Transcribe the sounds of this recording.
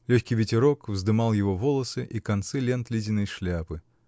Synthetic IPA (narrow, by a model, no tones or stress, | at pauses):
lʲɔçʲkʲijvʲɪtʲɪɾɔkvzd̪ɨmɑlˠjɪvɔvɔlˠɐsɨʔikɐnt̪sɨlʲent̪lʲidʲɪnɐjʂlʲapɨ